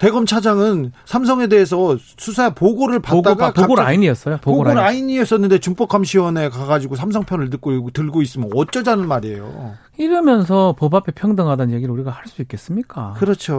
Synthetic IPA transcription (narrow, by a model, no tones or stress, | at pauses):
te̞ɡʌmt͡ɕʰad͡ʑaŋɯnsʰams̬ʰʌŋe̞de̞ːs̬ʰʌ | sʰusʰaepoɡoɾɯɭpaoɡt͈aoɡpoɡoɾaiɲiʌs͈ʌjopooɡoɾaoɾaiɲiʌs͈ʌnːɯnde̞t͡ɕump͈ʌkʰamɕʰiwʌne̞kaɡad͡ʑiɡosʰamsʰʌŋpʰjʌnɯɭtɯk͈̚ootɯɭɡois̬͈ɯmjʌnʌt͡ɕ͈ʌd͡ʑanɯnmaɾiḛjo̰ | iɾɯmjʌns̬ʰʌpobapʰe̞pʰjʌŋdɯŋɦadʌnjeɡiɾɯɭuɾiɡahaɭs͈uik͈e̞s͈ɯmɲik͈a̰kɯɾʌt͡ɕʰo